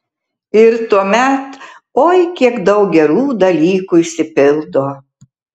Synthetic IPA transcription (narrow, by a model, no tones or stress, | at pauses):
ɪɾt̪uɔmʲɛt̪ | oːjkʲiɛkd̪ɐʊk̚ɡʲɛɾuːd̪ɐlʲiːkuɪʃʲsʲɪpʲɪlˠd̪oː